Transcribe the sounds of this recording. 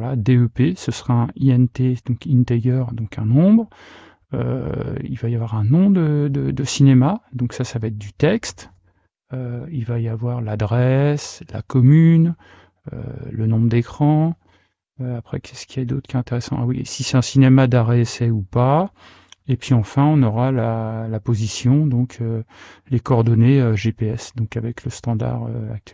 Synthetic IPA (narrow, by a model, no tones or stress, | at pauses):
lad̪eøpesəsəʁaɛ̃iɛnt̪ed̪ɔ̃kĩnt̪eɡœʁd̪ɔ̃kɛ̃nɔ̃bʁ | ø̰ḭlvajavwaʁɛ̃nɔ̃d̪əd̪əd̪əsinemad̪ɔ̃ksasavaɛt̪̚d̪yt̪ɛkst̪ | øilvajavwaʁlad̪ʁɛsla̰kɔmyn | ø̰lənɔ̃bʁəd̪ekχɑ̃ | øapχɛ̰kʲʰɛskʰʲiɛd̪ot̪χkjɛɛ̃t̪eʁɛsɑ̰̃a̰wḭsisɛt̪ɛ̃sinemad̪aʁeɛsɛupa | epɥiɑ̃fɛ̃ɔ̃nɔʁalalapozisjɔ̃d̪ɔ̃kʰølekɔʁd̪ɔneøʒepeɛsd̪ɔ̃kavɛkləst̪ɑ̃d̪a̰ʁø̰a̰k̚t̪ɛl